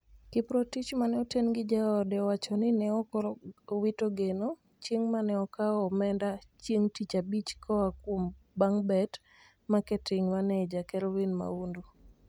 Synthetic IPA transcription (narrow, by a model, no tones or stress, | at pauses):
kɪpɾotit͡ʃmanɛɔtenɡɪd͡ʒaɔdɛwat͡ʃɔnɪnɛɔkɔɾɔwitoɡeno | t͡ʃjeŋmanɛɔkaɔmɛndat͡ʃjeŋtit͡ʃabit͡ʃkʰɔakwombaŋbɛt | makɛtɪŋmanɛd͡ʒakɛɾɔwinma̰undu